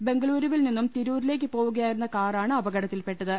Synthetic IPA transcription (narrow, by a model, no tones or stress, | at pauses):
be̞ŋɡɐɭuːɾuʋilninːumt̪iɾuːɾile̞ːk̬ʲːɨpoːʋuɣɐjaːjiɾunːɐkaːraːɳɨɐbɐɡɐɽɐt̪ːilpe̞ʈːɐðɨ